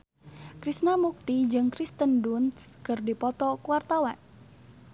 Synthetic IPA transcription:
kɾisnamuk̚t̪id͡ʒɨŋkɾist̪əndunskərdipɔt̪ɔkuwart̪awan

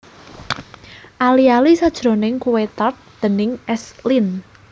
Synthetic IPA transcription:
ʔalialisad̥ʒ̥ɾo̤nɪŋkuwet̪art̪̚d̪̥ə̤nɪŋɛslin

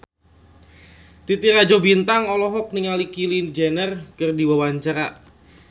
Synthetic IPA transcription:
t̪it̪iɾad͡ʒobint̪aŋɔlɔɦɔk̚niŋalikilind͡ʒenərkərdiwawaɲt͡ʃaɾa̰

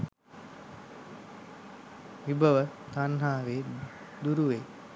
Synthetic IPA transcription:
ʋibəʋət̪anɦaːʋeː | d̪uɾuʋe

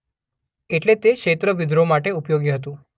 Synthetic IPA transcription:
eʈlet̪ekʃet̪ɾəʋid̪ʱɾomaʈeupjoɡiɦət̪ũ

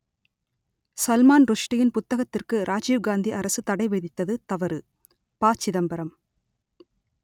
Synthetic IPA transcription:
sɐlmaːnɾʊʂʈɐjɪnpʊt̪ːɐɣɐt̪ːɪrkɯɾʔaːd͡ʒiːʋɡaːnd̪iʔɐɾɐsɯt̪ɐɽɐɪʋɛðɪt̪ːɐðɯt̪ɐʋɐɾɯ | paːt͡ʃːɪðɐmbɐɾɐm

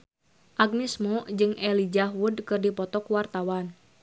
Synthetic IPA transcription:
ʔaɡ̚nismod͡ʒɨŋɛlid͡ʒawudkɨrdipɔt̪ɔkwart̪awan

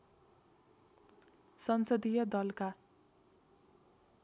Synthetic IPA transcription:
sʌnsʌd̪ijʌd̪ʌlka

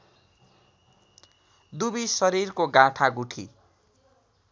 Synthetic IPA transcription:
d̪ubisʌɾirkoɡãʈʰaɡuʈʰḭ

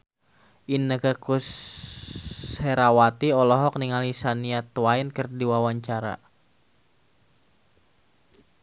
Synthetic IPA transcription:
ʔinəkakus | ɛɾawat̪iɔlɔɦɔk̚niŋalisaniat̪wainkɨrdiwawaɲt͡ʃaɾa̰

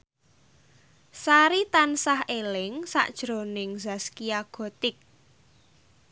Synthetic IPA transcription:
saɾit̪ansahelɪŋsa̰ʔd̥ʒ̥ɾo̤nɪŋzaskiaɡ̥o̤t̪ɪk̚

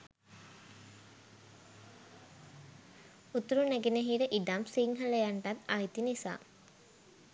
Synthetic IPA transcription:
ut̪uɾunæɡeneɦiːɾəʔiɖamsiŋɦələjaɳʈat̪ajt̪inisa̰ː

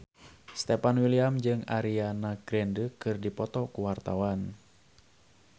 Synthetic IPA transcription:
st̪ɛpanwiliamd͡ʒɨŋa̰ɾianaɡɾɛndəkɨrdipɔt̪ɔkuwart̪awan

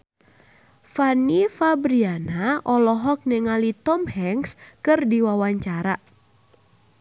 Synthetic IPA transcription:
fanifabɾianaʔɔlɔɦɔk̚nɛŋalit̪ɔmhɛŋskɨrdiwawaɲt͡ʃaɾa

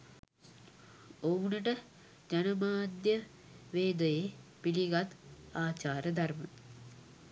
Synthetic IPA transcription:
owniʈɐ | d͡ʒɐnɐmaːd̪jɐ | ʋeːd̪ɐjepiliɡɐt̪aːt͡ɕaːɾɐd̪ʱɐɾmɐ̰

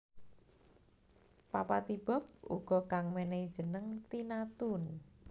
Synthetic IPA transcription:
papat̪ib̥ɔ̤p̚ṵɡ̥ɔ̤kaŋmenɛid̥ʒ̥ə̤nəŋt̪inat̪ʊn

